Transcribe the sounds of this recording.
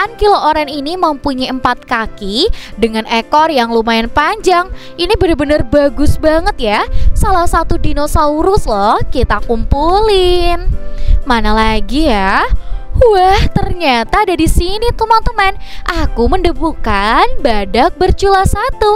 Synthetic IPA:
ankilooɾaŋinimampuɲaəmpat̪̚kakidəŋanɛkɔrjaŋlumaɪnpaɲd͡ʒaŋʔinibənərbənərbaɡʊsbaŋət̪̚jasalahsat̪udinosauɾʊslɔhkit̪akumpulɪnmanalaɡija | waht̪ərɲat̪aːdadisinit̪umant̪umaɪnʔakuməndəbukanbadak̚bərt͡ʃulasat̪u

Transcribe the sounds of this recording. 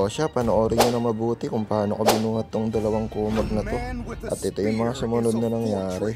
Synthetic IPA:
oʃapɐnoʔo̞ːɾɪɲonɐŋmɐbuːt̪ɪkʊŋpɐaːnokobɪnuːhɐt̪ːoŋd̪ɐlɐwaŋkuːmɐɡ̚nɐt̪o̞ʔɐ̰t̪̚ʔɛt̪o̞jʊŋmɐŋasʊmʊno̞d̪̚nɐnɐŋjaːɾɛ

